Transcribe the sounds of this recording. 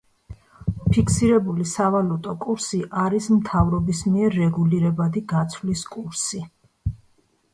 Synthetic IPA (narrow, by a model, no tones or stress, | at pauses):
pʰikʰsiɾɛbulisavalut̪ʼɔkʼuɾsiʔaɾismt̪ʰavɾɔbismiɛɾːɛɡuliɾɛbad̪iɡat̪sʰvliskʼuɾsi